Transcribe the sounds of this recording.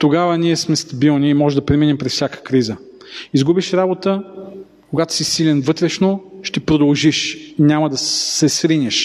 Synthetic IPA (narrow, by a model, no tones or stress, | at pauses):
t̪oɡavəniɛsmɛst̪ɐbilˠniːmɔʒɛd̪ɐpɾɛminɛmpɾɛsfsʲakə̥kɾizə | izɡubiʃɾabot̪ə | koɡat̪o̥sisilɛnvɤt̪ɾɛʃnoʃt̪ɛpɾod̪ɐlˠʒiʃnʲamɐəd̪ɐsɛsxɾinʲəʃ